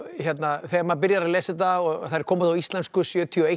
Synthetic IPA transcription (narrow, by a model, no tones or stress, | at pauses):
çjɛt̪naθɛːmapɪɾjaɾaðleːsɪt̪̬aɔɣθaðɾ̥kʰɔːmʏt̪awist̪lɛnskʏsjœːt̪ʰiɔe